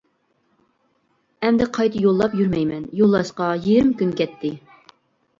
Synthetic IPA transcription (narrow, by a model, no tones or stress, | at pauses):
ɛmd̪ɛqʰɑjt̪ʰɨjolˠːɑpjyɾmɛjmɛnjolˠːɑʃqɑjiɾɪmkʲynkʲɛt̪ʰːɪ